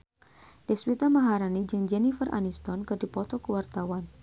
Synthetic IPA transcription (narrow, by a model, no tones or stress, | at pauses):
dɛswit̪amaɦaɾanid͡ʒɨŋd͡ʒɛnifərʔa̰nist̪ɔnkɨrdipɔt̪ɔkəwart̪awan